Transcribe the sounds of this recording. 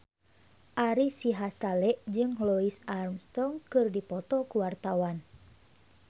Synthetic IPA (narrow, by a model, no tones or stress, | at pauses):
ʔaɾisiɦasalɛʔd͡ʒɨŋlɔisarmst̪ɔŋkɨrdipɔt̪ɔkuwart̪awan